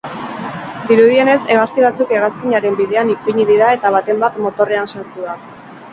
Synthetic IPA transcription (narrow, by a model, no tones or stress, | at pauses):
d̪iɾuðie̞ne̞se̞ɣ̞ast̪iβ̞at͡suke̞ɣ̞askiɲaɾe̞mbið̞e̞anipiɲiðiɾae̞t̪aβ̞at̪e̞mbat̪mo̞t̪o̞re̞ansaɾt̪uða